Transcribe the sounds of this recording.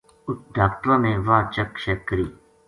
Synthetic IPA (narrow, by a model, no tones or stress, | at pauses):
ʊt̪̚ɖaːkʈɾãːnẽːʋaːt͡ʃəkʃekːəɾiː